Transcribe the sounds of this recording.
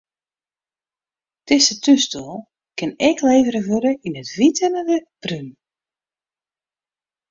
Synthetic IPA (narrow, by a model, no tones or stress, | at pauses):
tɪsətʰystulˠ | kɪnɛkʰleːvəɾəvøɾəinətʋitənədəb̥ryn